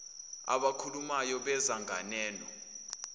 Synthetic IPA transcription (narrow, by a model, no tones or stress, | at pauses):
a̰ɓakʰulumajɔɓɛzaŋʱanɛːnɔ